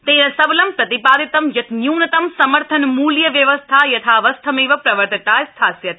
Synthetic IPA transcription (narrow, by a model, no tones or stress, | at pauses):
t̪eːnɐ̃sɐblɐmpɾɐt̪ipaːd̪it̪ɐmjɐt̪njuːnɐt̪ɐmsɐməɾt̪ʰɐnmuːljɐʋjɐʋəst̪ʰajɐt̪ʰaːʋɐst̪ʰɐmeːʋɐpɾɐʋəɾt̪ɐt̪aːjst̪ʰaːsjɐt̪̚